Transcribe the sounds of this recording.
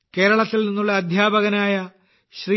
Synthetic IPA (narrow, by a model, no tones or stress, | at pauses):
ke̞ːɾɐɭɐt̪ːilninːuɭːɐːd̪ʱjaːbɐɣɐnaːjɐ | ɕri